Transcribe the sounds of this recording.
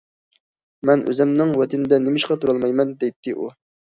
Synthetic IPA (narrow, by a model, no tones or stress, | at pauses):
mɛnʔø̰zɛmnɪŋwɛt̪ʰɪnɪd̪ɛnemɪʃqɑt̪ʰuɾɑlˠmɑjmɛnd̪ejt̪ʰːɪʔu